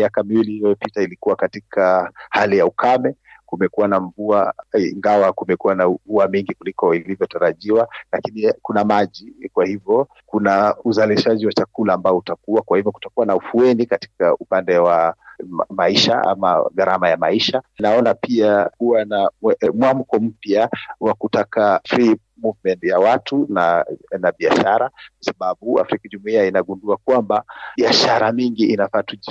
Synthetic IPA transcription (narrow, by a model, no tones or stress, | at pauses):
jakamiwiliwɛpitailikuwakatikʰahalijaukʰamɛkumɛkuwanaɱvuaiŋɡawakumɛkuwanavuamiŋɡikulikɔilivjɔtaɾaʄiwalakinikunamaʄikwahivjɔ | kunauzaliʃaʄiwat͡ʃakulaːmbaɔutakuwakwahivjɔku̥takuwanaufuɛnikati̥kaupandɛwammaiʃa̰a̰ma̰ɣaɾamajamaiʃanaɔnapiakuwanamwam̩kɔm̩pjawakutakafɾi | muvmɛntjawatunanaɓiaʃaɾakwasaɓaɓua̰fɾikaʄumuiainaɠunduakwambabiaʃaɾamiŋɡiʔinafatuʄi